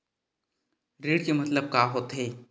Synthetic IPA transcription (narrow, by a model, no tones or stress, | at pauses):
ɾeːɽkemɐt̪ləb̚kaːɦoːt̪ɦeː